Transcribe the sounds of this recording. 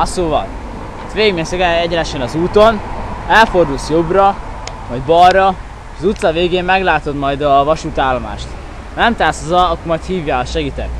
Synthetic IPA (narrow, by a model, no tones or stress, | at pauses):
ɒsoːvɒ̰l | t̪ʋeːɡminsɛɡɛɛɟɛnɛʃɛnɒzuːt̪o̞nɛlfo̞rd̪ulsjo̞brɒ | mɒjd̪bɒrːɒ | ʃɒzut̪sɒveːɡeːmmɛɡlaːt̪o̞d̪mɒjd̪ɒvɒʃuːt̪aːlːoma̰ːʃt̪ | nɛmt̪aːsozɒɒkomɒjt̪hiːvjaːɒʃɛɡit̪ɛk